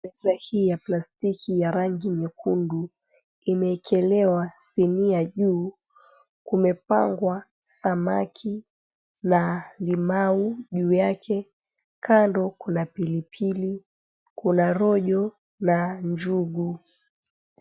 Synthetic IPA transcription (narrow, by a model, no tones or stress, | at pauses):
mɛzahiːjaplastikʰijaɾaŋɡiɲɛkundu | imɛːkʰɛlɛwasiniaʄuː | kumɛpa̰ŋɡwa | sama̰kʰi | nalimauʄuːjakʰɛ | kandɔkunapilipʰili | kunaɾɔʄɔ | naɲd͡ʒuɡu